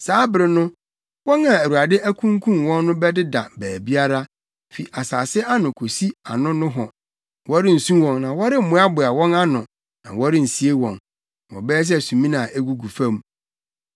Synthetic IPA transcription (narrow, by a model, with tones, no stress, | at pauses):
saː˨˦bɪ˦ɾɪ˦nʊ̃˦ | wɔ̃˦nã˨æ˨ɾa˨dɪ˦ʔæ˦kʰũ˦ŋkʰũ˦nwɔ̃˦nːʊ̃˦bɛ˦dɪ˦da̰˨bæː˨bi˦a˦ɾa˦ | fi˨ʔa˨saː˨sɪ˦a˦nʊ̃˨kʰo˨si˦a˨nʊ̃˦nʊ̃˦ɦɔ˨ | wɔ˦ɾɪ˦n̩˨sũ˦wɔ̃˨ŋnã˨wɔ˦ɾɪ˦m̩˨mʊ̃˦a˦bʊ˨a˨wɔ̃˦na˦nʊ̃˨ | nã̰˨wɔ˦ɾɪ˦n̩˨si˨e˦wɔ̰̃˨n˨ | wɔ̰̃˨bɛ˦ɛ˦s̬sũ˨mĩ˦nã˨ʔe˦ɡu˨ɡu˨fã˦m